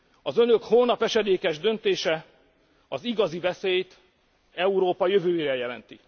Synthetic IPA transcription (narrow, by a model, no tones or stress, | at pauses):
ɒzø̞nøkhoːlnɒpɛʃɛd̪eːkɛʒd̪ø̞nt̪eːʃɛ | ɒziɡɒzivɛseːjt̪ | ɛuɾoːpɒjøvøːeɾɛjɛlɛnt̪i